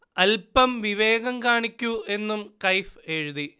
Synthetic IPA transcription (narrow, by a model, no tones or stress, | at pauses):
ɐlpɐmʋiʋe̞ːɣɐmkaːɳikʲːuʔe̞nːumkɐjfeːɻuði